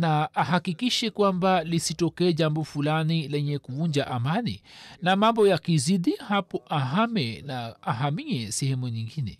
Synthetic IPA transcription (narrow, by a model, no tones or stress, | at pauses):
naaɦakikiʃɛkwambalisitɔkɛːʄambɔfulanilɛɲɛkuvuɲd͡ʒaʔamanḭnamambɔjakiziɗihapɔʔaɦamɛnaːɦamiɛsɛhɛmuɲiŋɡinɛ